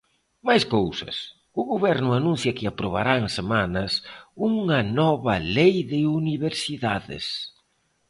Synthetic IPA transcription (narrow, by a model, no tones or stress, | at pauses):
majskowsɐ̰s | ʊɣoβɛɾnʊanũn̟θjɐkɪapɾoβa̰ɾaŋsemanɐsuŋɐnɔβɐlejðɪuniβeɾsiðaðɪ̰s